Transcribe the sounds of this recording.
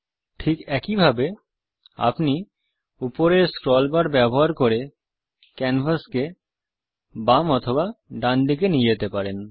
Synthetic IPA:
ʈʰikɛkibʱabe | a̰pni | upoɾeɾskɾɔlbaɾbɛboɦaɾkoɾe | kɛnbʱaske | bamɔt̪ʰobaɖand̪ik̬enijet̪epaɾen

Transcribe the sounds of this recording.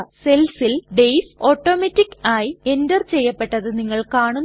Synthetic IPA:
se̞lsilɖejso̞ːʈːo̞ːmetːikːaːjie̞ndɐrt͡ɕe̞jːɐpːe̞ʈːɐðɨniŋːɐɭkaːɳunː

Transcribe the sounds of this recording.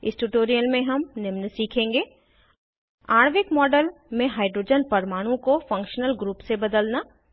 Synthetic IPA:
ɪsʈuʈoːɾijəlmẽɦɐmnɪmnsiːkʰẽːŋɡeː | aːɽ̃ʋɪkmɔːɖəlmẽɦaːɪɖɾoːd͡ʒənpɐɾmaːɽ̃õkofɐ̃ŋkʃnəlɡɾuːpsebɐd̪əlnaː

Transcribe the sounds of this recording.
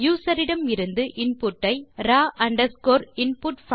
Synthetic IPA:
juːsɐɾɪɽɐmɪɾɯnd̪ɯʔɪnpʊʈːɐɪɾaːʔɐɳɖɐɾskoːɾɪnpʊʈf

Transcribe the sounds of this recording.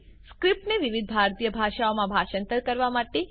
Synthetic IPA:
skɾip̚ʈneʋiʋid̪̚ʱbʱaɾt̪ijəbʱaʃaomãbʱaʃənt̪əɾkəɾʋamaʈe

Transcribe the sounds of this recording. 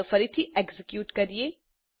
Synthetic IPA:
fɐɾit̪ʰiʔeɡzɪkjuːʈkɐɾieː

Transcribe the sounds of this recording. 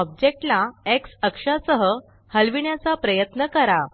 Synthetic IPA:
ɔb̚d͡ʑek̚ʈlaeksəkʂasəɦə | həlʋiɳjat͡sapɾəjət̪nəkəɾa

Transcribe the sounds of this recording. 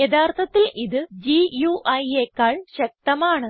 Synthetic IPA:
jed̪ʰaːrt̪ʰɐt̪ːilʔiðɨd͡ʑijuːʔɐjeːkːaːɭɕɐk̚t̪ɐmaːɳɨ

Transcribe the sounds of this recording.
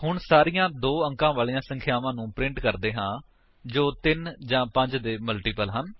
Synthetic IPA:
hʊɳsaːɾijãːd̪oːə̃ŋkãːʋaːliːãːsə̃ŋkʰjaːʋãːnũːpɾɪ̃ɳʈkəɾd̪eːɦãː | d͡ʒoːt̪ɪnd͡ʒãːpə̃ɲd͡ʒd̪eːməlʈiːpəlɦən

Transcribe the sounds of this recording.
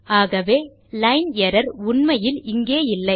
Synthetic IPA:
aːɣɐʋeː | lɐɪnɛɾɐɾʊɳmɐjɪlɪŋɡeːɪlːɐɪ

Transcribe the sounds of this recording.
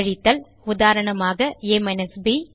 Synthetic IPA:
ɻɪt̪ːɐl | ʊðaːɾɐɳɐmaːɣɐeːmɛnɛsbiː

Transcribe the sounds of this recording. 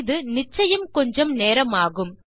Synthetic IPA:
ðɯnɪt͡ʃːɐjɐmkɔɲd͡ʒɐmneːɾɐmaːɣɯm

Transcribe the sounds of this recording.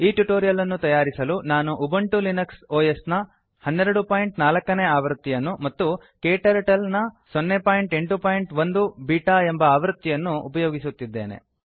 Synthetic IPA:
iːʈuʈoːɾijɐlɐnːut̪ɐjaːɾisɐlunaːnuʔubɐɳʈulinɐksoːjɐsnɐ | hɐnːeɾɐɽupaːjiɳʈnaːlɐkːɐneaːʋɐɾt̪ːijɐnːumɐt̪ːu | keːʈɐɾɐʈɐlnɐsonːepaːjiɳʈe̞ɳʈupaːjiɳʈʋond̪ubiːʈaːembɐaːʋɐɾt̪ːijɐnːuːpɐjoːɡisut̪ːid̪ːe̞̰ːnḛ

